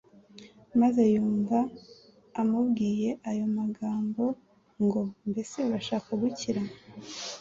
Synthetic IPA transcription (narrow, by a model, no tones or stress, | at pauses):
maze̞juːɱvaː | mubɡiːje̞ʔajo̞maɡaːmbo̞ | ŋɡo̞mbe̞se̞βaʃaːkaɡuciɾa